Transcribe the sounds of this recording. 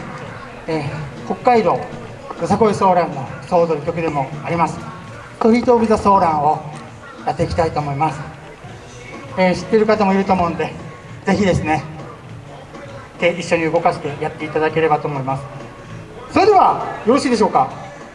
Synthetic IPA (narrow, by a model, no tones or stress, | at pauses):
eːko̞kːaiɾo̞ː | jozako̞iso̞ːɾãnːo̞so̞ːd̪oɾikʲo̞kɯ̟d̪e̞mo̞aɾʲimasɨ̥ | t̪oɸʲiːt̪o̞ːbʲizaso̞ːɾãɰ̃o̞ | jat̪ːe̞ikʲi̥t̪ait̪o̞ːmo̞imasɨ̥ | eːɕi̥t̪ːe̞ɾɯ̟kat̪amo̞iɾɯ̟t̪omo̞nd̪e̞ | d͡ze̞çid̪e̞sɨne̞ | t̪e̞ʔiɕːo̞ɲ̟iɯ̟ɡo̞kaɕi̥t̪e̞jat̪ːe̞it̪ad̪ake̞ɾe̞bat̪o̞ːmo̞imasɨ̥ | so̞ɾe̞d̪e̞β̞ajo̞ɾoɕiːd̪e̞ɕ̬o̞ːka